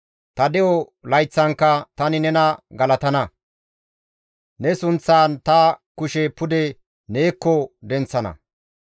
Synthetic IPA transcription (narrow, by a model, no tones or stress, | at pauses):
t̪ɐd̪ɛjɔ | lɐjt͡sːɐŋkːɐt̪ɐnɪnɛnɐɡɐlɐt̪ɐnɐ | nɛsʊnt͡sːaːnt̪ɐkʊʃɛpʊd̪ɛ | neːkːɔd̪ɛnt͡sːɐnɐ̰